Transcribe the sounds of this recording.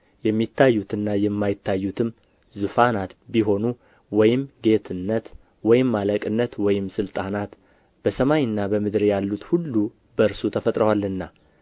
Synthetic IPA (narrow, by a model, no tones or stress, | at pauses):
jɛmːit̪ʰːajːut̪ɨnːajɛmːajɪt̪ʰːajːut̪ʰɨm | zufanat̪biɦo̞nu | wɔjɪmɡe̞t̪ʰɨnːət̪ | wɔjɪmːaləkʼɨnːət̪wɔjɪmsɨlt̪ʼanat̪ | b̥əsəmaɲɨnːabəmɨd̪ɾjalːut̪hulːu | bəɨɾsut̪ʰəfət̪ʼɾəwalːɨnːa